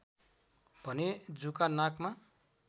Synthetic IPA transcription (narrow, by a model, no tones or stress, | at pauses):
b̥ʱʌned͡zukanakma